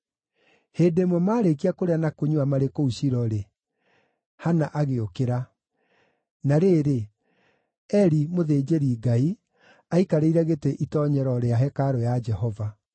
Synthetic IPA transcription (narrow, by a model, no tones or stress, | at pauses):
heːdemwɔmaːɾek̬iakoɾeanakoɲuamaɾekouɕiɾɔɾe | hanaʔaɣeokeɾa | naɾeːɾe | ɛɾimoðed͡ʒeɾiɡai | aikaɾeiɾaɣetɛʔitɔɲɛɾɔɾeaɦɛkaɾɔjad͡ʒɛhɔva